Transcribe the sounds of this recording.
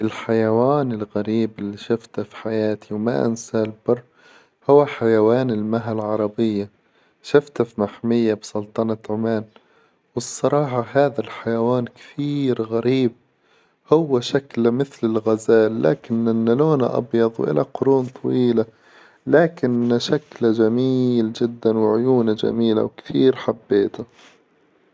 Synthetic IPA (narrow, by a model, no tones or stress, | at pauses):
ʔɪlħajawaːnɪlɣaɾiːbɪlːiʃaft̪afi̥ħajaːt̪ʰiwmaʔa̰nsalbɑrˤː | hʊwːaħajawaːnɪlmaɦalʕɑɾˤɑbɪjːa | ʃɪft̪afmaħmɪjːabsˤʊlt̪ˤɑnɑt̪ʕʊmaːn | wɨsˤːɑɾˤɑːħɑhaːðalħajawaːnkɪ̥t̪ʰiːɾɣaɾiːb̚ | hʊwːaʃaklamɪθlɪlɣazaːlːa̰ːkɪnɪnːaloːna̰ʔɑ̰bjɑðˤwʔɪ̰lʔa̰qʊɾuːnt̪ˤʰɑwiːla | laːkɪnʃaklad͡ʒamiːld͡ʒɪd̪ːanwɪʕʊjuːnad͡ʒa̰miːla̰wkt̪ʰiːɾħabːeːt̪a